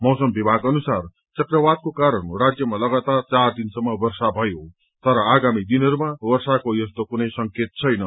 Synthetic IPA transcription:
mʌwsʌmbibʱaɡʌnusar | t͡sʌkrʌbad̪̚kokaɾʌnurad͡zjʌmalʌɡat̪art͡sard̪insʌmːʌbʌrsabʱʌjo | t̪ʌɾʌaɡamid̪inɦʌɾumabʌrsakojʌst̪okunʌjsʌŋket̪̚t͡sʰʌjnʌ

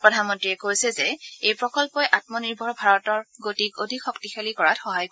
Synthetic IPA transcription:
pɹɔdʱanmɔntɹiɛkojsɛzɛejpɹɔkɔlpɔjʔat̚mɔniɹbʱɔɹbʱaɹɔtɔɹɡotikodʱikxɔktixʰalikɔɹatxɔɦajk

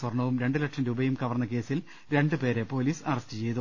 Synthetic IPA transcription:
sɐrɳːɐʋumɾe̞ɳɖɨlɐʈʂɐmɾuːbɐjumkɐʋɐrnːɐke̞ːsil | ɾe̞ɳɖɨpe̞ːɾe̞po̞ːliːsɐrɐstɨt͡ɕe̞jt̪u

